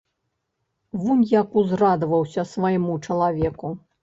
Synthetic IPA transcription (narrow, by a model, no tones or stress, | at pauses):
vunʲjakuzrad̪ɐvɐwsʲɐsvɐjmut͡ʂɐlˠavʲɛku